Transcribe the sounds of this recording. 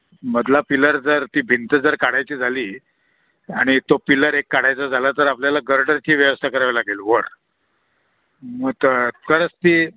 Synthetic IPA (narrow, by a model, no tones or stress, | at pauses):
məd̪ʱlapiləɾd͡zəɾt̪iːbʱint̪əd͡zəɾkaɽajt͡ɕiːd͡zʱaliː | aɽ̃it̪opiləɾekːaɽ̤ajt͡sad͡zʱalat̪əɾapljalaɡəɾɖəɾt͡ɕiːʋjəʋəst̪ʰakəɾaʋalaɡiːlʋəɾ | məɡt̪əkəɾət͡st̪iː